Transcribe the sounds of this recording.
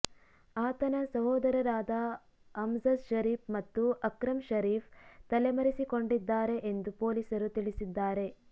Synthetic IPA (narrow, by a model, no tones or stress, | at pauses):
aːt̪ɐnɐsɐɦɔːd̪ɐɾɐɾaːd̪ɐː | mzɐsʃɐɾiːpmɐt̪ːuɐkɾɐmʃɐɾiːft̪ɐlemɐɾisiko̞ɳɖid̪ːaːɾe̞ʔend̪upo̞ːlisɐɾut̪iɭisid̪ːaːɾe̞